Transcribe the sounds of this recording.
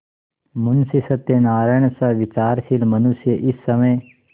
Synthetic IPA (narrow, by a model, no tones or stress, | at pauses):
mʊnsisɐt̪ːenaːɾaːjɳ̃saʋit͡ʃaːɾʃilmɐnusjəʔɪsːɐməj